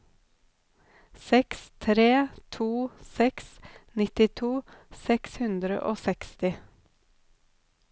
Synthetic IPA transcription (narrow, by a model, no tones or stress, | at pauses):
sɛkst̪ʰɾeːt̪ʰuːsɛksnɪt̪ɪt̪ʰuːsɛkshʉnd̪ɾə̰ʔoːsɛkst̪ɪ